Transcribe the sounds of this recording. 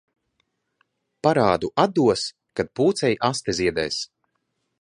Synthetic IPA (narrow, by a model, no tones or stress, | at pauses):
paɾaːd̪uʔad̪ːuɔs | kad̪̚puːt̪sɛjʔast̪ɛzʲiɛd̪ɛ̰ːs